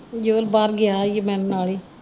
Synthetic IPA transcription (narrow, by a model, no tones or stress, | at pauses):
d͡ʒoːlbaːɾɡɪaːjemɛ̃ːnːnaːɭiː